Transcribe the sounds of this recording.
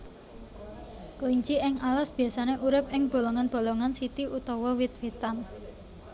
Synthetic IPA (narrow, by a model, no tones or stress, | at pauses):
kəliɲt͡ʃiʔɪŋalasb̥i̤asaneʔuɾɪp̚ɪŋb̥o̤loŋanb̥o̤lɔŋansit̪iut̪ɔwɔwɪt̪̚wet̪an